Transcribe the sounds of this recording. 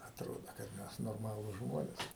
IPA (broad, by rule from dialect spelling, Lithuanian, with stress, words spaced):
ɐtˈroːdoː kɐt ˈmʲɛs noːrˈmɑːlˠuːs ˈʒmoːnʲeːs